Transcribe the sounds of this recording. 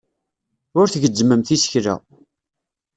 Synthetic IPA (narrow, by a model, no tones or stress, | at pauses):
ʊɾθʝəd͡ʒːməmθisə̥çɾæ̰